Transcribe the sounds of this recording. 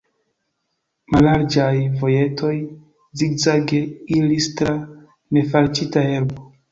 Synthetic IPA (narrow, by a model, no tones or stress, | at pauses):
malaɾd͡ʒajvo̞je̞tʰo̞j | ziɡzaɡe̞ilistɾa | ne̞faɾt͡ʃitaeɾbo